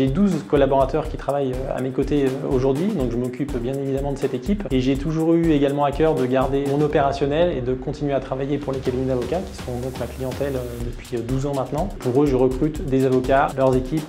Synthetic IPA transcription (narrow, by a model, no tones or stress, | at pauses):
ʒed̪uzkɔlabɔʁat̪œʁkʲi̥t̪χavajøa̰mekot̪eøoʒuʁd̪ɥid̪ɔ̃kʒəmɔkʲypbjɛ̃nevid̪amɑ̃d̪əsɛt̪ekʲipeʒet̪uʒuʁyeɡalmɑ̃akʲœʁd̪əɡaʁd̪emɔ̃nɔpeʁasjɔnɛled̪əkɔ̃t̪inɥeat̪χavajepuʁlekad̪omid̪avɔkʲakʲi̥səʁɔ̃d̪ɔ̃t̪maklijɑ̃t̪ɛlød̪əpɥid̪uzɑ̃mɛ̃t̪nɑ̃puʁøʒəʁəkχyt̪d̪ezavɔkʲalœʁzekʲip